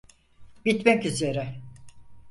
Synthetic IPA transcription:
bit̪mɛcyze̞ɾɛ

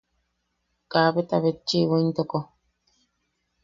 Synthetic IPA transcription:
kaβet̪aβet͡ʃːiβoint̪oko

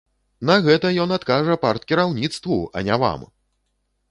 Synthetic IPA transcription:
nɐɣɛt̪ɐjɔnat̪kaʐɐpart̪̚kʲiɾawnʲit̪st̪vuɐ̰nʲava̰m

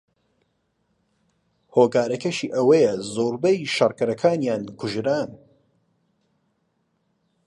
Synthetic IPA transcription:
hoːkaːɾɐkɐʃiːʔɐwɐjɛzoːɾbɛjʃɐrkɐɾɐkʰaːnjaːnkʰʊʒɾaːn

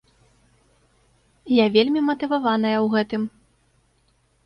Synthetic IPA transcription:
javʲelʲmʲimɐt̪ɨvavan̪ɐjɐwɣɛt̪ɨm

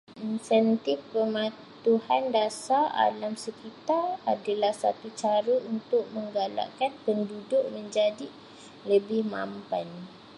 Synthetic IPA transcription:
ʔinsɛnt̪ɪfpəmã | t̪uhandasaa̰lamsəkit̪aradalahsat̪ut͡ʃaɾəʔunt̪ʊk̚məŋɡala̰ʔkanpəndudʊʔ̚mə̃ɲd͡ʒadi | ləbɪhma̰mpan

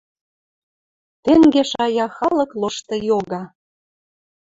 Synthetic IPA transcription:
t̪eŋɡeʃɑjɑxɑlɤ̆kloʃt̪ɤ̆joɣɑ

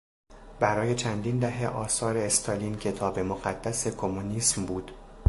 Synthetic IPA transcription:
bæɾɒːje̞t͡ʃʰænd̪iːnd̪æɦe̞ʔɒːsɒːɾe̞ːst̪ʰɒliːncʰe̞t̪ʰɒːbe̞moɣæd̪̥ːæse̞kʰo̞muniːsmbuːd̪̥

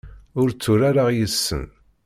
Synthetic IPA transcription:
ʊɾt͡sːʊɾaɾaʁjəsːə̰n

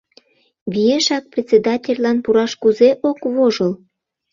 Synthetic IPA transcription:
βʲijeʃɑk̚prʲet͡sʲed̪ɑtʲelʲlɑnpuɾɑʃkuzeʔokβoʒəl

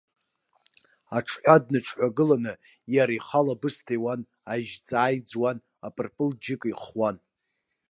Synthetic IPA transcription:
aʈ͡ʂʰħʷad̚nɨʈ͡ʂʰħʷaɡɨlanɨ | jaɾiχalabɨstʰejwan | aʒt͡sʼaːjd͡zwan | apʼɨrpʼɨld͡ʒɪkʼiχwan

